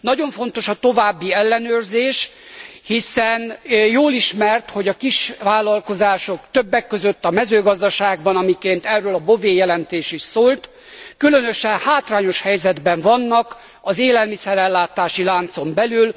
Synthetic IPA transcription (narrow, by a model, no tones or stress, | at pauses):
nɒɟo̞ɱfo̞nt̪o̞ʃɒt̪o̞vaːbːiɛlːɛnøːrzeːʃ | hisɛnjoːliʃmɛrt̪ho̞ɟɒkiʃʋaːlɒlko̞zaːʃo̞kt̪øbːɛkːøzøt̪ːɒmɛzøːɡɒzd̪ɒʃaːɡ̚bɒnɒmikeːnt̪ɛrːøːlɒboveːjɛlɛnt̪eːʃiʃsoːlt̪ | kylø̞nø̞ʃɛnhaːt̪raːɲo̞ʃhɛjzɛd̪bɛɱvɒnːɒk | ɒzeːlɛlmisɛɾɛlːaːt̪aːʃilaːnt̪so̞mbɛlyl